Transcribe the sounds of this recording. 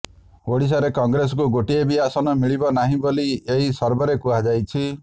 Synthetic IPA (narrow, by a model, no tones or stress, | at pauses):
oɽis̬aɾekɔŋɡɾes̬ɔkuɡoʈiebiasɔnɔmiɭibɔnaɦĩbolieɦisɔɾbɔɾekuad͡ʒajt͡ʃʰi